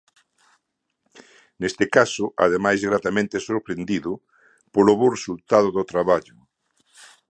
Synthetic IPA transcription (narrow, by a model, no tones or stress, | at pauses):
nest̪ɪkasʊʔa̰ðemajzɣɾat̪amẽnt̪ɪsoɾpɾend̪iðʊ | poloβoresult̪að̞ʊðʊt̪ɾaβaʎʊ